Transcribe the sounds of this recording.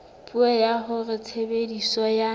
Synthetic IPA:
pʼuɛjaɦʊrɪt͡sʰebedisɔja

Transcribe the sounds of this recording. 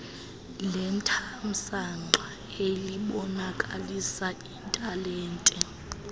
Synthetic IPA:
lɛntʰam̩saŋŋ͡ǃʱa | eliɓɔnakʼalisaintʼalɛːntʼɛ

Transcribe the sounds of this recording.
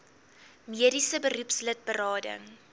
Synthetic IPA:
miəɾisəbəɾupslət̚bəɾɑːdə̰ŋ

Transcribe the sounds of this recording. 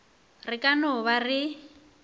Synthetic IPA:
rɪkʼanɔβari

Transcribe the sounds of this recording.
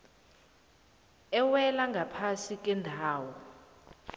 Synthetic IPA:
ɛwɛlaŋɡʱapʰasik̬ʼɛndʱaːwɔ

